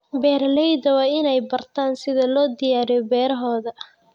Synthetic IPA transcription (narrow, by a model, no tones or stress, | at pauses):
bɛːɾlɛjd̪ɐwɑːɪnɛjbɐrt̪ʰaːnsɪðɐlɔːd̪ɪjaːɾɪjɔbɛːɾɐɦɔːðɐ